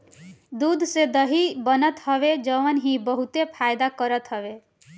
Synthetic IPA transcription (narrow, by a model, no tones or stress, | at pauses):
d̪ud̪ʱsed̪əɦibənət̪ɦəʋed͡ʒəʋənɦibəɦut̪epʰajd̪akəɾət̪ɦəʋe